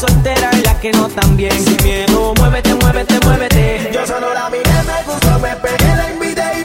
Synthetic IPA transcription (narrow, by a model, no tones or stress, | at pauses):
solt̪eɾaelakenot̪ambjeŋkimjeðomweβet̪emweβet̪emweβet̪ed͡ʒosololamiðemeɣust̪omepeɣelepiðe